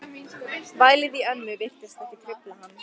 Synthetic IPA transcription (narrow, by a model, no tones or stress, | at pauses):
vaːjlɪðiœnːʏvɪr̥t̪ɪst̪ɛhcɪt̪ʰɾɪplahanː